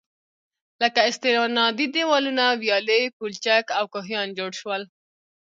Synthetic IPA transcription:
ləkaɪst̪eɾɑnɑd̪id̪ewɑlunawjɑlepult͡ʃakawkoɦjɑnd͡ʒoɽʃwəl

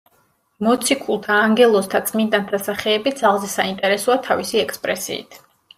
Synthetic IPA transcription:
mɔt̪sʰikʰulˠt̪ʰaːŋɡɛlˠɔst̪ʰat̪sʰʼmind̪ant̪ʰasaχɛːbid̪z̥alˠzɛsaint̪ʼɛɾɛsɔat̪ʰavisiɛkʰspʼɾɛsḭːt̪ʰ

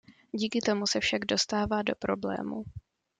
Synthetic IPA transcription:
ɟiːkɪt̪o̞musɛfʃaɡdo̞st̪aːvaːdo̞pɾo̞blɛ̰ːmṵ

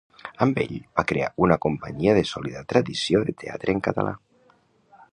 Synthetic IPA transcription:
əmbḛʎbakɾeaunakumpaɲiəðesoliðat̪ɾaðisjoðet̪ʰea̰t̪ɾeːŋkat̪a̰lʔa̰

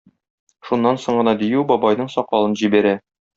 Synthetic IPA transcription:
ʃunːɑnsoɴɢɤ̆nɑd̪ijʉwbɒbɑjnɤɴsɒqɑlˠɤnʑibæɾæ

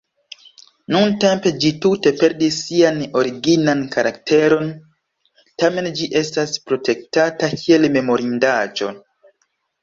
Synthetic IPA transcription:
nunte̞mpe̞d͡ʒitute̞pe̞ɾdisːiano̞ɾiɡinankaɾʔakte̞ɾo̞n | tame̞nd͡ʒiʔe̞staspɾo̞te̞k̚tatakʰie̞lme̞mo̞ɾindad͡ʒo̞̰

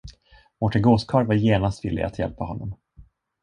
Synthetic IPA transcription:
mɔʈɛɡoːskʰɑːɾvaɾjeːnast̪vɪlːɪ̰a̰t̪jɛ̰lpahɔnːɔm

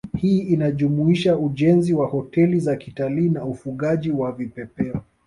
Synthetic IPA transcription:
hiːinaʄumuiʃauʄɛnziwahɔtɛlizakitaliːnaufuɠaʄiwavipɛpɛɔ

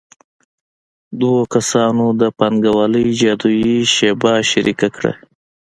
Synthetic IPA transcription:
d̪okasɑnod̪əpanɡawɑləjd͡ʒɑd̪ujiʃebɑʃaɾikakɽa̰

